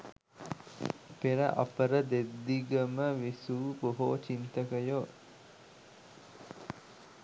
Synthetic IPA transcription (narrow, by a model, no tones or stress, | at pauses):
peɾə̰ʔa̰pəɾəd̪ed̪ːiɡəməʋisuːboɦoːt͡ʃint̪əkəjo